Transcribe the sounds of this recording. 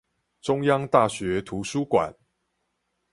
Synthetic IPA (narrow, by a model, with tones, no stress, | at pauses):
ʈ͡ʂʊ˥ŋjɑ˦ŋt̪a˥˨ɕɥɛ˨˦t̪ʰu˨˦ʂu˥˦kwa̰˨˩˦n